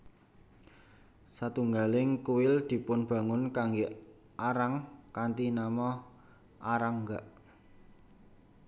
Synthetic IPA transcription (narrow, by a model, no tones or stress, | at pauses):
sat̪uŋɡalɪŋkuwɪld̪̥i̤pʊnb̥ä̤ŋʊnkaŋɡeʔ | aɾaŋkant̪inamɔ | ʔaɾaŋɡaʔ